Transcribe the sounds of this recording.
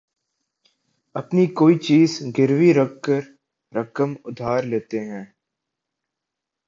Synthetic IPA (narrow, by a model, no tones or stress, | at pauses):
ɐpnikoːit͡ʃiːzɡɪɾʋiɾɐkkəɾ | ɾɐkəmʊd̪ʱaːɾleːt̪eɦɛ̃ː